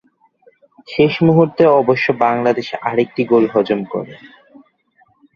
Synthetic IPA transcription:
ʃeʃmuɦuɾt̪eɔboʃːobaŋlad̪eʃaɾek̚ʈiɡolɦɔd͡ʑomkɔ̰ɾe

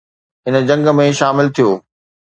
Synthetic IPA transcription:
ɦɪnə̆d͡ʑɐ̃ŋɡmẽʃaːmɪlt̪ʰijoː

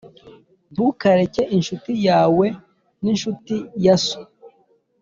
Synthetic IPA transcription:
bukaɾeceʔinʃutijaːwe | ninʃutijaso̥

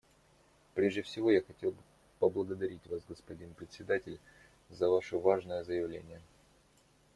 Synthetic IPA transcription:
pɾʲeʐdʲɪfsʲɪvo̞jaxɐtʲe̞lˠbɨ | pəblˠəɡəd̪ɐɾʲitʲvasɡəspɐdʲinpɾʲɪt̪ʲsʲɪd̪atʲɪlʲ | zəvaʂəvaʐnəjəzəjɪvlʲḛnʲɪjə

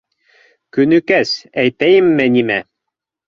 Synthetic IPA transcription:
kynykæsæjt̪æjɘ̆mːɘ̆nʲimæ

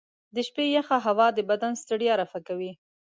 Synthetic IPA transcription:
d̪əʃpejaxaɦawɑd̪əbad̪anst̪aɽiaɾafakawi

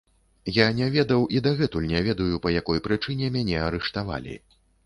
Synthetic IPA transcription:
janʲavʲɛd̪ɐwʔid̪aɣɛt̪ulʲnʲɛvʲɛd̪ɐjupɐjakɔjpɾɨt͡ʂɨnʲɛmʲanʲɛaɾɛʂt̪ava̰lʲḭ

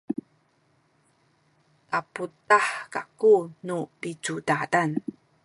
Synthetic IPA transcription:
ʔaputaħkakunupit͡sudadan

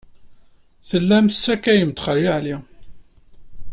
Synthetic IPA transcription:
θəlːæmsːækæjəmt̪χərːiʕli

